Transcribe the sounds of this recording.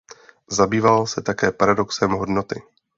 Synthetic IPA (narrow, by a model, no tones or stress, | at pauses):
zabiːvalsɛt̪akɛːpaɾado̞ksɛmɦo̞dno̞t̪ɪ